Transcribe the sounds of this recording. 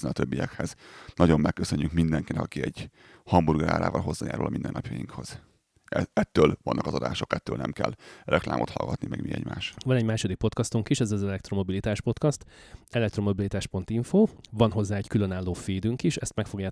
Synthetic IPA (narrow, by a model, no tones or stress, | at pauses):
nɛnɒt̪øbːijɛkhɛz̥nɒɟo̞mːɛkːøsø̞ɲːykmind̪ɛŋkinɛkɒkiɛɟ̥ | hɒmburɡɾa̰ːɾa̰ːvɒlɦo̞zːaːja̰ːɾṵlʔɒmind̪ɛnːɒpjɒjiŋkho̞z̥ | ɛɛt̪ːøːlvɒnːɒkɒzɒd̪a̰ːʃo̞kɛt̪ːøːlnɛmkɛ̰lrʔɛkla̰ːmʔo̞t̪hɒ̰lɡɒt̪nimɛɡmiɛ̰ɟmaːʃvɒnɛɟmaːʃo̞d̪ik̚po̞t̪kɒst̪uŋkiʃɛzɒzɛlɛk̚t̪ro̞mo̞bilit̪aːʃpo̞t̪kɒst̪ɛlɛkt̪ro̞mo̞bilit̪aːʃpo̞nt̪iɱfoːvɒnɦo̞zːaːɛckylønaːlːoːfeːd̪yŋkiʃɛst̪mɛkfo̞ɡjaː